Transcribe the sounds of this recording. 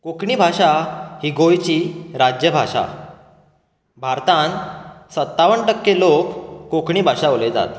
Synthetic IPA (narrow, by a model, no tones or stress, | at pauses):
kokɳiːbʱaʂahiɡojt͡ɕiːɾad͡ʑjəbʱaʂa̰ | bʱaɾt̪ãnsət̪ːaʋəɳʈəkːelokːokɳiːbʱaʂaoled͡za̰t̪